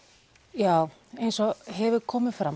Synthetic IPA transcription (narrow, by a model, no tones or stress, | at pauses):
jaːw | ejnsɔɦɛvʏkʰɔːmɪðfɾam